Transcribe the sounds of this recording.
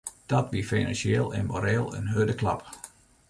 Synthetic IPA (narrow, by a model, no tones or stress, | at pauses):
d̥ɔtʋifinansjeːlˠɪ̰nmoɾɛːlˠə̰nɦøːdəklɑ̰p